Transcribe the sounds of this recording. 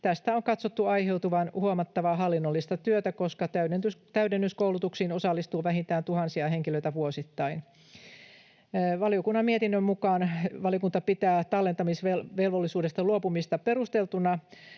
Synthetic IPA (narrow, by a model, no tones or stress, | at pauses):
t̪æst̪æoŋkɑt̪sot̪ːuɑiheut̪uʋɑnhuomɑt̪ːɑʋɑɦɑlːinːolːist̪ɑt̪yøt̪ækoskɑt̪æyent̪yst̪æydenːyskoulut̪uksiːnosɑlːist̪uːʋæɦint̪æːnt̪uhɑnsiɑɦeŋkiløit̪æʋuosit̪ːɑin | ʋɑljokunːɑmiet̪inːømmukɑːnʋɑliokunt̪ɑpit̪æːt̪ɑlːet̪ɑmisʋelʋelʋolːisuːdest̪ɑluopumist̪ɑpeɾust̪elt̪unɑ